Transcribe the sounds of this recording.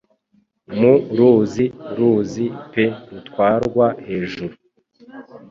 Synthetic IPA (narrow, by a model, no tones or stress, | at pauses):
muɾuziɾuzipe̞ɾutwaːɾɡwahe̞ːʒuɾu